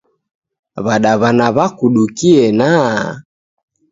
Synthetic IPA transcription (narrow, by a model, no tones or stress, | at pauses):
βaɗaβanaβakuɗukiɛna